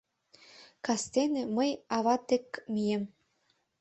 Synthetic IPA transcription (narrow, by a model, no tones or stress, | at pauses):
kɑst̪enĕməjɑβɑt̪ĕkmijem